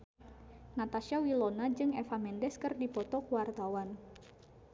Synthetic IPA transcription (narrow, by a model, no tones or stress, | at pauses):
nat̪aʃawilonad͡ʒɨŋɛfamɛndɛskɨrdipɔt̪ɔkuwart̪awan